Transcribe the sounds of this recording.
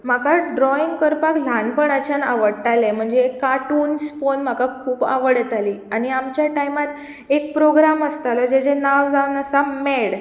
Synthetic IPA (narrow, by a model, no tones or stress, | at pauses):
m̤akaɖɾɔiŋɡkəɾpaklanpəɳət͡ɕʰana̰ʋəɽʈ̪alem̤əɳd͡zekːaʈuːnsfonm̤akakʰuːpa̰ʋəɽet̪aliːaɽ̃iamt͡ɕjaʈajmat̪ | ek̚pɾoɡɾaməst̪aləd͡ʑed͡ʑenaʋd͡zaunasameɽ